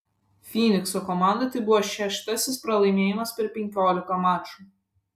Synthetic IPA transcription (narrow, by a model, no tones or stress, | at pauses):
fʲiːnʲɪksɔkɔmɑˑnd̪ɐt̪ɐɪbʊʋoʃʲæʃt̪ɐsʲɪspɾɐlˠɐɪmʲeːjɪmɐspʲɛɾpʲɛŋʲkʲoːlʲɪkɐmɑːt͡ʃu